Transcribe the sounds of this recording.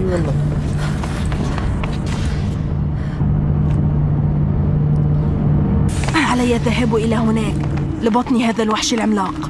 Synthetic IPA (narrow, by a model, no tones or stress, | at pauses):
ʔaʕalajːat̪aɦabːʔɪlahʊnaːk | lɪbɑt̪ˤniɦaːðalwaħʃɪlʕɪmlɑːq